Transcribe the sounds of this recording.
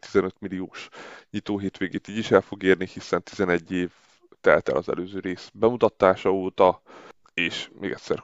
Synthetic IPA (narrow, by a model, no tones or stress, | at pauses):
t̪izɛnøt̪milijoːʃɲit̪oːɦeːt̪ʋeːɡeːt̪iːɟiʃɛlfo̞ɡeːrnihisɛnt̪izɛnɛɟːeːv | t̪ɛ̰lt̪ɛ̰lʔɒzɛ̰løːzøːɾeːsbɛmut̪ɒt̪aːʃɒoːt̪ɒ | eːʃmʔeːɡɛt̪ʲsɛ̰r